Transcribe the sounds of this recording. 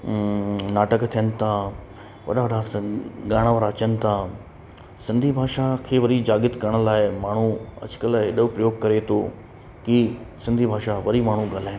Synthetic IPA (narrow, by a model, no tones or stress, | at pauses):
naːʈəkt̪ʰijənɪ̆t̪ʰã | ʋɐ̰ɗaʋɐɽaɡaːɽ̃aʋəɾːt͡ɕənɪ̆t̪ʰa | sɪ̃nd̪ʱibʱaːʃakʰeːʋɐɾid͡ʑaːɡɪt̪kɐɾəɽ̃̆laːɪmaːɳ̤uɐ̰d͡ʑʊ̥kəlɪɗʊpɾɐjoːɡ̚kɐɾet̪ʰo | kisɪ̃nd̪ʱibʱaːʃaʋɐɾimaːɳ̤ũɡaːlaːɪn